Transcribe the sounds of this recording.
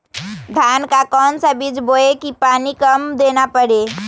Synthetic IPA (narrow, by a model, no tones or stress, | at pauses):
d̪ʱjaːnkakɔːnsabɪd͡ʒboːekipaːnikɐmd̪eːnapəɽeː